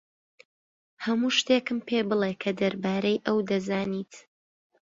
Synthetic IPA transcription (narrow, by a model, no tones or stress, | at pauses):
hɐmuːʃt̪eːkɨmpʰeːbɨlˠekʰɐd̪ɐɾbaːɾɐjʔɐwd̪ɐzaːniːt̪